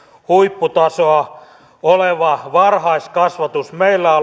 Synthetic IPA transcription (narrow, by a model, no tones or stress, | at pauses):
huipːut̪ɑsoɑ | oleʋɑʋɑrhɑiskɑsʋɑt̪usmeilːæ